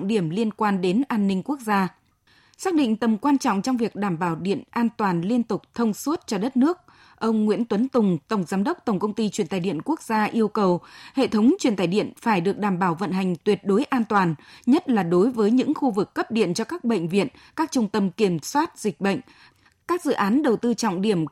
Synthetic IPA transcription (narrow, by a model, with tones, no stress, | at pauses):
ŋ͡mɗi˧˩əmli˧ənkwaː˧nɗe˨˦nʔaː˧nːï˧ŋ̟ku˦˥ək̚zaː˧ | saː˦˥k̚ɗḭ˧˨ŋ̟t̪ə˨˩mkwaː˧nt͡ɕɔ̰˧˨ŋ͡mt͡ɕɔ˧wŋ͡mvi˨˩ək̚ɗaː˧˩mɓaː˧˩wɗḭ˧˨ənʔaː˧nt̪waː˨˩nli˧ənt̪ʊ˨˩k͡p̚t̪ʰə˧wŋ͡mswə˦˥t̚t͡ɕɔ˧ɗə˦˥t̚nɨ˦˥ək̚ | ʔə˧wŋ͡mŋwḭ˧˥ənt̪wə˨˦nt̪ʊ˨˩ŋ͡mt̪ə˧˩wŋ͡mzaː˨˦mɗə˦˥wk͡p̚t̪ə˧˩wŋ͡mkə˧wŋ͡mt̪i˧t͡ɕwi˧˩ənt̪aː˨˧˩jɗḭ˧˨ənku˦˥ək̚zaː˧ʔi˧əwkə˨˩whḛ˧˨t̪ʰə˨˦wŋ͡mt͡ɕwi˧˩nt̪aː˧˩jɗḭ˧˨ənfaː˧˩jɗɨ˨˩ək̚ɗaː˧˩mɓaː˧˩wvə̰˧˨nɦa˨˩jŋ̟t̪wi˨˩ət̚ɗo˨˦jʔaː˧nt̪waː˨˩nɲə˦˥t̚laː˨˩ɗo˨˦jvəː˨˦jɲɨ̰˧˥ŋxu˧vɨ˨˩kːə˦˥p̚ɗḭ˧˨ənt͡ɕɔ˧kaː˦˥k̚ɓə̰˧˨ŋ̟vḭ˧˨ən | kaː˦˥k̚t͡ɕʊ˧ŋ͡mt̪ə˧mki˧˩əmswaː˦˥t̚zï˨˩k̟̚ɓə̰˧˨ŋ̟ | kaː˦˥k̚zɨ̰˧˨ʔaː˨˦nɗə˨˩wt̪ɨ˧t͡ɕɔ̰˧˨wŋ͡mɗi˧˩əm